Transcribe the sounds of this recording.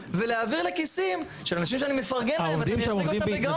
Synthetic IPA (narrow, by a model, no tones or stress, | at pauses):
veleaːviʁle̞kisim | ʃelanaʃimʃ̬eanimefaʁɡenaovd̪imeemovd̪ibeɡ